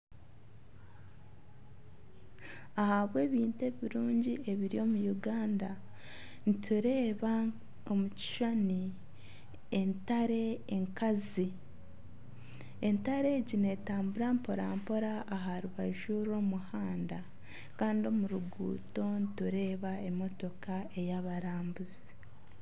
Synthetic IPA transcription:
ahaβwe̞ːβiːnte̞ːβiɾuːɲɟie̞βiɾio̞ːmujuɡaːnda | nitʰuɾe̞ːβa | omuci̥ʃani | entaɾe̞ːŋkazi | e̞ntaɾe̞ːɟine̞taːmbuɾampoɾaːmpo̞ɾaʔːɦaɾuβaiʃuɾo̞ːmuhaːnda | kaːndio̞muɾuɡṵːto̞nituɾe̞ːβae̞mo̞to̞kae̞jaβaɾaːmbuzi̥

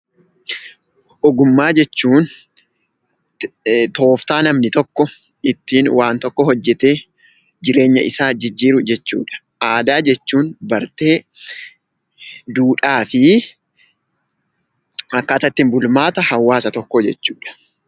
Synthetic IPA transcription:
ʔɔɡʊmːaːd͡ʒɛt͡ʃːuːn | t̪o̞ːft̪aːnɐmnɪt̪ɔkːɔ | ɪt̪ːiːnwaːnt̪ɔkːɔhɔd͡ʒːɛt̪e̞ː | d͡ʒɪɾe̞ːɲːɐ̰ʔɪsaːd͡ʒɪd͡ʒːiːɾʊd͡ʒɛt͡ʃːṵːᶑɐ̥ | ʔaːd̪aːd͡ʒɛt͡ʃːuːnbɐɾt̪e̞ː | d̪uːᶑaːfɪ | ɐkːaːt̪ɐt̪ːɪnbʊlmaːt̪ɐhɐwːaːsɐt̪ɔkːod͡ʒɛt͡ʃːuːᶑɐ̥

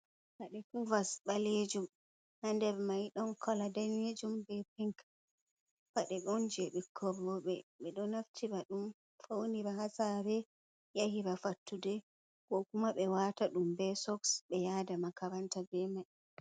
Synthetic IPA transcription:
faɗɛkɔvasɓaled͡ʒum | handɛɾmajɗɔnkʰɔladaned͡ʒumbɛpiŋk | faɗɛɓɔnd͡ʒɛɓɛkʰɔɾɔɓɛɓɛɗɔnaftʰiɾaɗum | fowniɾaɦasaɾɛ | jahiɾafatːudɛ | ɡ̥ɔkumaɓɛwataɗumbɛsɔksɓɛjadamakaɾantabɛmaj

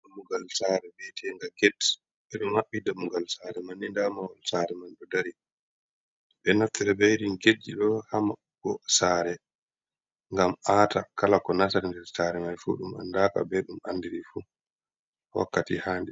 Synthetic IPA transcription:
muɡalsaɾɛbɛtʰɛŋɡaɡɛt | ɓɛɗɔmaɓːidamuɡalsaɾɛmanːindamawalsaɾɛmanɗɔdaɾi | ɓɛnaftɛɾɛbejɾinɡed͡ʒːiɗɔhama | ɡɔsaːɾɛ | ŋɡamaːtakalakɔnasaɾndɛɾsaɾɛmajfṵɗuma̰ndaːka̰bɛɗuma̰ndiɾifu | wa̰kːatihaːndɛ

